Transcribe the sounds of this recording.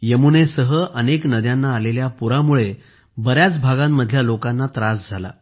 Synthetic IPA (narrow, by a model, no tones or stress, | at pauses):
jəmunesəɦəʔəneknəd̪janːaːleljapuɾamuɭe | bəɾjat͡sbʱaɡamːəd̪ʱljalokãnːat̪ɾasd͡zʱala̰